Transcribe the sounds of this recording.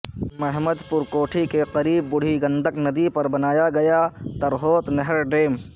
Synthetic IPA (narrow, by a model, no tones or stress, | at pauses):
mɐɦməd̪pʊɾkoːʈʰikeqɐɾiːbːʊɽ̤iɡɐ̃nd̪ʱəknɐd̪ipɐɾbɐnaːjaɡɐjat̪ɐɾɦoːt̪nɐɦɾɖeːm